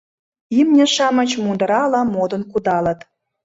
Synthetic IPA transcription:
imnʲĕʃɑmə̆t͡ɕmund̪əɾɑlɑ̆mod̪ə̆nkud̪ɑlə̆t̪

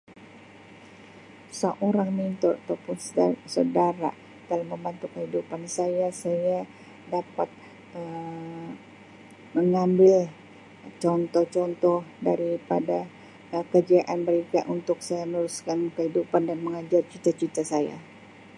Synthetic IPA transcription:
səʔoɾaŋmint̪ʊrat̪awpʊnssədaɾa̰ | t̪alaməmbant̪ukəhidupansajasaja | dapat̪̚ | ə | məŋambɪl | t͡ʃɔnt̪ɔht͡ʃɔnt̪ɔhdaɾipada | kəd͡ʒiaʔanməɾekaʔunt̪ʊk̚sajamənuɾuskankəhidupandanməŋad͡ʒart͡ʃit̪at͡ʃit̪asaja̰

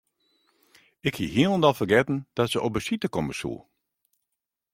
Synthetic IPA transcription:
ɪkhḭɦiəlˠəndɔlˠfərɡɛtn̩d̥ɔtsəʔɔp̚əsitəkɔməsṵ

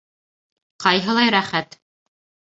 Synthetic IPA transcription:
qɑjɦɤ̆lˠɑjɾæχæt̪

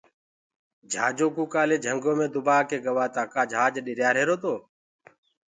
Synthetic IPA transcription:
d͡ʒʱaːd͡ʒoːkuːkaːleːd͡ʒʱəŋɡoːmẽːd̪ʊbaːkeːɡəʋaːt̪aːkaːd͡ʒʱaːd͡ʒɗɪɾjaːɾeːɾoːt̪oː

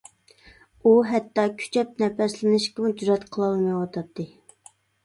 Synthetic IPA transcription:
uɦɛt̪ːɑkʲʰy̥t͡ʃʰɛp̚nɛpɛslɪnɪʃkʲɪmd͡ʒɾɑt̪qʰəlˠɑlˠmɑjwɑt̪ʰɑp̚t̪ʰːɨ

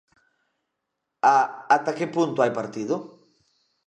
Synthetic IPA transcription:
aːt̪akepunt̪ʊajpaɾt̪iðʊ

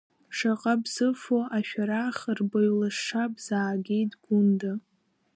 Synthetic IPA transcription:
ʂaqʼabzɨfoʔaʃᶣaɾaχrbaɥlaʂʂabz̥aːɡʲejdɡʷʊnda

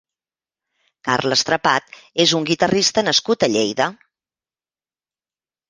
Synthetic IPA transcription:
ka̰rləst̪ɾəpat̪ezuŋɡit̪ərist̪ənəskut̪əʎejðə

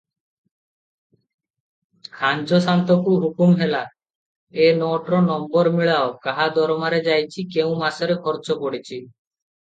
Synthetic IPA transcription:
kʰand͡ʒɔsant̪ɔkuɦukumɦela | enɔʈɾɔnɔmbɔɾmiɭaokaɦad̪ɔɾɔmaɾed͡ʒajt͡ʃʰikeũmasɔɾekʰɔɾt͡ʃɔpɔɽit͡ʃʰi

